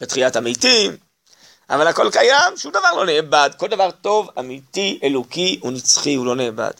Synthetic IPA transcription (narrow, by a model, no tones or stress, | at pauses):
b̥etχijatamitim | a̰valhako̞lkajamʃumd̪avaʁlo̞neːbad̪ko̞ld̪avaʁt̪o̞vamitielokiunit͡sχiulo̞neːba̰d̪̥